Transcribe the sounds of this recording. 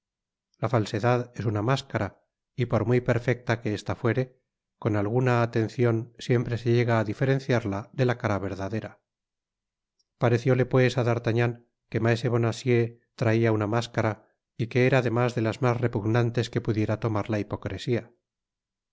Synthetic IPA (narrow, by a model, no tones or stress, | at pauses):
lafalse̞ðaðe̞sunamaskaɾa | ipo̞ɾmwipe̞ɾfe̞k̚t̪akeest̪afwe̞ɾe̞ | ko̞nalɣ̞unaːt̪e̞nθjo̞nsje̞mpɾe̞se̞ʎe̞ɣaːðife̞ɾẽ̞nθjaɾlaðe̞lakaɾaβe̞ɾðaðe̞ɾa | paɾe̞θjo̞le̞pwe̞saðaɾt̪aɲaŋ | ke̞maese̞βo̞nasje̞t̪ɾaiaunamaskaɾa | ike̞eɾaðe̞mazðe̞lazmasre̞puɣnant̪e̞ske̞puðje̞ɾat̪o̞maɾlaipo̞kɾesia